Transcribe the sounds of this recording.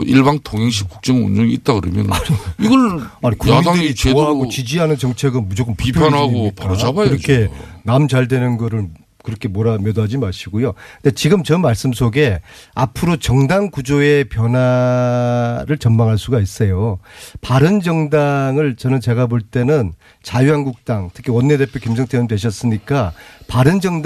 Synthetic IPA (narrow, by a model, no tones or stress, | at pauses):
iɭbaŋtʰoŋɦeŋɕ̬ʰi̥k̚k͈u̥k̚t͡ɕ͈ʌŋṵnd͡ʑoɡiːt̚t͈akɯɾʌmjʌ̰naiiɡʌɭanikumiadɯɾit͡ɕoaɦaɡot͡ɕid͡ʑiɦanɯnt͡ɕʌŋt͡ɕʰe̞ɡɯnmud͡ʑok͈ɯmpupʰjanɦaioikpaaoabaɯɾʌkʰe̞namd͡ʑaɭdwe̞nɯnɡʌɾɯɭ | kɯɾʌkʰe̞moɾamjʌdad͡ʑimaɕʰiɡojoɯndet͡ɕiɡɯmt͡ɕʌmaɭs͈ɯms̬ʰoɡe̞apʰɯɾot͡ɕʌŋdaŋkud͡ʑoe̞pjʌna | ɾɯɭt͡ɕʌmmaŋɦaɭs͈uɡais͈ʌjopaɾɯnd͡ʑʌŋdaŋɯɭt͡ɕʌnɯnt͡ɕe̞ɡaboɭt͈e̞nɯn | t͡ɕajuɦanɡuk̚t͈aŋtʰɯ̥kʰiwʌnːe̞de̞pʰjokemsʰʌŋtʰeɯndwe̞ɕʰʌs͈ɯɲik͈apaɾɯnd͡ʑʌŋd